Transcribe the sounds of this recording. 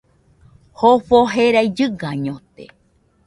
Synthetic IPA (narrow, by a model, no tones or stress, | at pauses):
hofoɦeɾajd͡ʒɨɡaɲõt̪ḛ